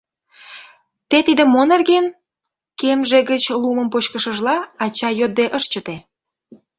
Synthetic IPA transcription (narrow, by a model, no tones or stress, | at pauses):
t̪et̪id̪ə̆mːonerɣen | kemʒeɡət͡ɕluməmpot͡ɕkəʃəʒlɑɑt͡ɕɑjød̪̚ːeʔəʃt͡ɕət̪e